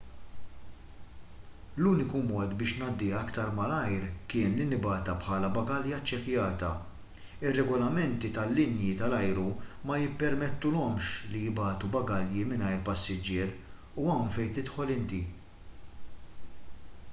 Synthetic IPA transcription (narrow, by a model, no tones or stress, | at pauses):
luːnɪkumɔːt̪bɪːʃnɐːd̪ːiɐkt̪ɐɾmɐlɐjɾkɪːnlinɪbɐːt̪ɐpħɐːlɐbɐɡɐljɐt͡ʃːɛkjɐːt̪ɐ̰ | ɪrːɛɡɔlɐmɛnt̪it̪ɐlːɪnjit̪ɐlɐjɾumɐjɪpːɛɾmɛt̪ːʊlɔmʃlijɪbɐːt̪ubɐɡɐljimɪnɐjɾpɐsːɪd͡ʒɪːɾ | uɐwnfɛjt̪ɪt̪ħɔlɪnt̪i